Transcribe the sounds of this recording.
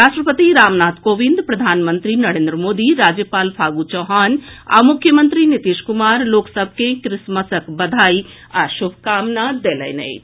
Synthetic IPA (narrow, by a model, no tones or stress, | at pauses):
ɾaːʃʈɾəpət̪iɾaːmnaːt̪ʰkoːʋind̪pɾɐd̪ʱaːnmənt̪ɾinɐɾẽːnd̪ɾəmoːd̪iɾaːd͡ʒjəpaːlpʰaːɡut͡ʃɔɦaːna̰ːmʊkʰːjəmənt̪ɾinit̪iʃkumaːɾloːksəb̚ʱkekɾɪsmɐsəkbɐd̪ʱaːi | aʃʊbʱkaːmnad̪eːlə̰jnə̰j̪